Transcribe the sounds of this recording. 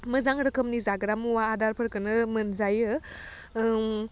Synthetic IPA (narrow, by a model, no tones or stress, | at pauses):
məzaŋɾɯkʰəmnizaɡɾamuwaːdaɾpʰəɾkɯnɯmɐnzajɯ